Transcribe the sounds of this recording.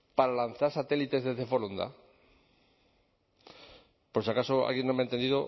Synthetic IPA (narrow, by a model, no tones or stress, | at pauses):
paɾalanθaɾsat̪e̞lit̪e̞zðezðe̞fo̞lond̪a̰ | poɾsiakasoa̰lɣenːoment̪end̪iðo